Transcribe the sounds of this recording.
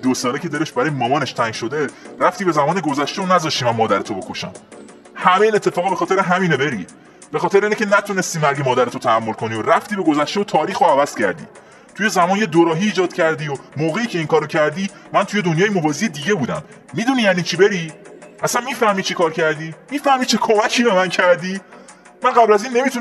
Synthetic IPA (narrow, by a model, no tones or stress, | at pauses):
d̪osɒːlecʰed̪ɒɾeʃbæɾɒːjemɒːmɒːne̞ʃt̪ʰæŋɟʃo̞d̪eɾæft̪iːbezæmɒːneɡo̞zæʃt̪eonæzɒːʃt̪iːmænmɒːd̪æɾe̞t̪ʰobe̞kʰo̞ʃæ̰m | hæmeiːne̞t̪ʰːefɒːɣɒbexɒːt̪eɾeɦæmiːnebe̞ɾḭ | b̥exɒːt̪ʰeɾeincʰe̞næt̪ʰunest̪imæɾɟe̞mɒːd̪æɾe̞t̪ʰot̪ʰææmːolko̞nioɾæft̪iːbe̞ɡo̞zæʃt̪eot̪ʰɒːɾiːxoævæz̥cʰæ̰ɾd̪ḭː | t̪ʰuje̞zæmɒːnjed̪oɾɒːɦiːd͡ʒɒːd̪̥cʰæɾd̪iːjomoːɣe̞iːcʰe̞iːnkɒːɾocʰæɾd̪iː | mænt̪ʰuje̞d̪onjɒːjemovɒːzijed̪iːɟe̞buːd̪æ̰mː | iːd̪unijæniːt͡ʃʰibe̞ɾiæsænmiːfæhmiːt͡ʃʰikɒːɾcæɾd̪iːmiːfæhmiːt͡ʃʰe̞kʰo̞mækʰiːbemæncʰæɾd̪iː | mænɢæblæziːnːe̞mit̪u